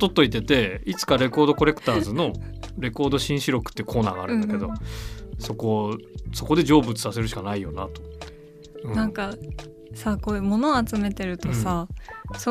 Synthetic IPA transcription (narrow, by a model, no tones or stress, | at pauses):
t̪o̞t̪ːo̞it̪ːe̞t̪e̞it͡sɨ̥kaɾe̞ko̞ːd̪o̞ko̞ɾe̞kɯ̟̥t̪aːzɨno̞ɾe̞ko̞ːd̪o̞ɕĩɰ̃ɕiɾo̞kɯ̥t̪ːeiɯ̟kʰo̞ːna̰ːɡaːɾɯ̟nnd̪ake̞d̪o̞so̞ko̞so̞ko̞d̪e̞d͡ʑo̞ːbɯ̟t͡sɨ̥sase̞ɾɯ̟ɕi̥kanaijo̞na̰t̪o̞̥ | ɯ̟̃nãŋka | sako̞ːɯ̟mo̞no̞at͡sɨme̞t̪e̞ɾɯ̟t̪o̞saso